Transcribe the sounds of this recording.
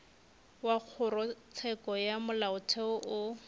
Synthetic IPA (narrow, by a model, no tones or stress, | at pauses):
wak͡xʰʊrɔt͡sʰɛkɔjamʊlaʊtʰɛʊʔʊ